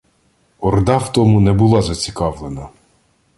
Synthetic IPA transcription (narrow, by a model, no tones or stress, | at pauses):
ɔrd̪ɑwt̪ɔmunɛbʊlˠɑzɐt͡sʲi̥kɑwlˠenɐ